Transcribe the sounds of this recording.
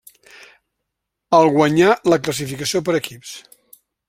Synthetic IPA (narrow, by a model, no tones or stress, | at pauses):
əlˠɣwəɲaləkləs̬ifikəsiopəɾəkips